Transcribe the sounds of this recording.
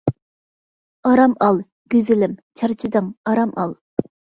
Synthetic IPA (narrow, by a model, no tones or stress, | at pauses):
ɑɾɑmɑlˠ | ɡʲøzɪlɪmt͡ʃʰɑɾt͡ʃʰid̪ɨŋɑɾɑmʔɑ̰lˠ